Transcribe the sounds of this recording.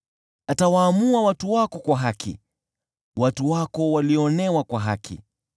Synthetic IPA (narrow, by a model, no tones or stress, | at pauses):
atawaːmuawatuwakɔkwaɦakʰḭ | watuwakɔwaliɔɔnɛwakwaɦa̰kʰḭ